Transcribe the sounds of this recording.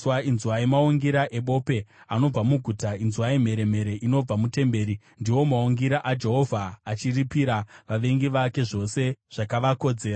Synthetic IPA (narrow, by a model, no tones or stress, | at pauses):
wainzuwaemauŋɡiɾaʔe̞ɓo̞pe̞ | ano̞b͡vamuɡʱutainzuwaim̤e̞ɾe̞m̤e̞ɾe̞ʔino̞b͡vamute̞mbe̞ːɾi | ndiwo̞mauŋɡiɾaʔad͡ʒe̞ɦo̞vʱaːt͡ʃiripiɾaʋaʋe̞ŋɡiʋake̞ʐo̞se̞ʐ̥akaʋako̞d͡ze̞ːra